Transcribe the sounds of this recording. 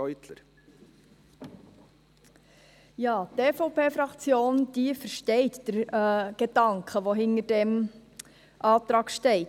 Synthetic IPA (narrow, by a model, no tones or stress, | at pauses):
ɔʏt̪ləɾ | jɑːt̪eːfoʊpʰeːfɾɑkt͡sjoːnd̥̪ifəɾʃtɛɪtd̥əɾɡ̥edɑŋkχəʋoɦɪnərd̥ɛm | ʔɑːt̪ɾɑːɡ̥ʃtɛɪt